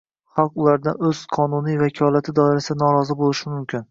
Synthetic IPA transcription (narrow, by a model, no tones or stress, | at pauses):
χɑlˠqʊlˠaɾd̪a̰nɵz̥qʰɒnunijvakʲʰɒlˠat̪ʰɪd̪ɒɪɾasɪd̪anɒɾɒzɪbolˠɪʃɪmʊmkʲʰɪn